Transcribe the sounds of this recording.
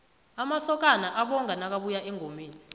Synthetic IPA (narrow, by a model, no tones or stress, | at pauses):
amasɔk̬anaʔaɓɔŋɡʱanak̬aɓujaʔɛŋʱomeːni